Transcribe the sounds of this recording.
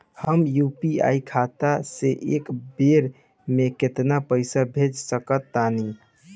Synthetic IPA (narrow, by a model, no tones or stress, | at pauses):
həmjupia̰ikʰat̪aseʔekbeɾ | meket̪napəɪsabʱed͡ʒsəkət̪ːani